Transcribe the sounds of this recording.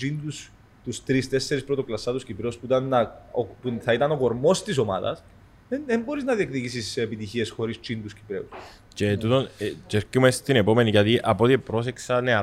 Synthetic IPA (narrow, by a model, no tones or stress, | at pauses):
t͡ʃind̪us | t̪ust̪ɾist̪e̞sːe̞ɾispɾot̪oklɐsːɐt̪uscipɾeuspuit̪ɐnːɐopuθɐit̪ɐno̞ko̞ɾmo̞st̪is̬o̞mɐ̰ðɐ̰s | eðembo̞ɾiznɐðiekt̪icisisepit̪içie̞sxo̞ɾist͡ʃind̪uscipɾe̞̰us | cet̪ut̪onceɾcumest̪inepo̞me̞nicɐt̪iʔɐpot̪ipɾo̞seksɐneɐ